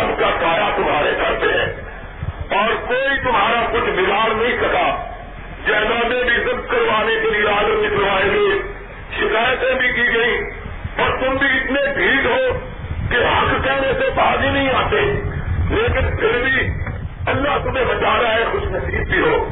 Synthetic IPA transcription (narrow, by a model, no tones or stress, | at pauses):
əmkaːkaːjat̪ʊmɦaːɾekɐɾpeɦɛ̰ː | ɔːɾkoːit̪ʊmɦaːɾakʊt͡ʃʰbɪɡaːɽnɐɦĩsɐkaː | d͡ʒɛːlãːmẽbʱizɪb̪kəɾʋaːnekeɾijaːd̪oik̪əɾʋaːelie | ʃɪkaːjət̪ẽbʱikiːɡɐĩː | pɐɾt̪ʊmbʱiɪt̪nebʱiːdɦoː | keɦɐkkɛːnesepaːɡinɐɦĩaːt̪eːleːkɪnpʰɪɾbʱiːɐlːaɦt̪ʊmẽbət͡ʃaːɾaɦɛxʊʃnəsiːb̚ːʱiɦoː